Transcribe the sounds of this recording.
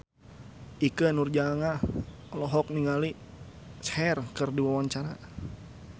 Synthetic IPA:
ʔikənurd͡ʒaŋa | lɔɦɔk̚niŋali | shɛrkərdiwawaɲt͡ʃaɾa

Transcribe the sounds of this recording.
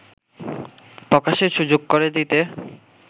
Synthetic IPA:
pɾɔkaʃeɾʃud͡ʑoɡ̚koɾed̪it̪e

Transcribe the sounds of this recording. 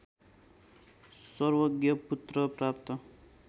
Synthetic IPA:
sʌrwʌɡjʌput̪rʌprap̚t̪ʌ

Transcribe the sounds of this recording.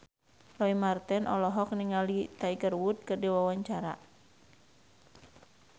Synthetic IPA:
lɔimart̪ɛnʔɔ̰lɔɦɔk̚niŋalit̪aiɡərwut̪̚kərdiwawaɲt͡ʃaɾa̰

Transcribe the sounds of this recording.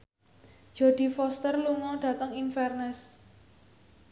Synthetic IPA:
d̥ʒ̥ɔ̤d̪̥i̤fɔst̪ərluŋɔɖ̥ä̤t̪əŋinfɛrnɛs

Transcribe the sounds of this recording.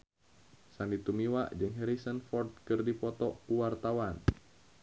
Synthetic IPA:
sandit̪umiwaʔd͡ʒɨŋɦɛɾisənfɔrt̪̚kɨrdipɔt̪ɔkuwart̪awan

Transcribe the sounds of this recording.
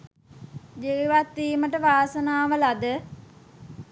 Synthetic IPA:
d͡ʒeiʋat̪ːiːməʈəʋaːsənaːʋəlad̪ə

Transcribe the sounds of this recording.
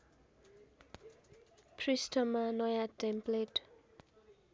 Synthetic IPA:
pʰrisʈʌmanʌjaʈempleʈ

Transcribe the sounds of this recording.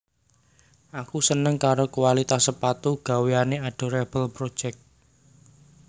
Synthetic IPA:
ʔakusənəŋkaɾokuwalit̪asːəpat̪uɡ̥a̤weaneaɖ̥o̤ɾɛb̥əlpɾod̥ʒ̥ɛk̚t̪̚

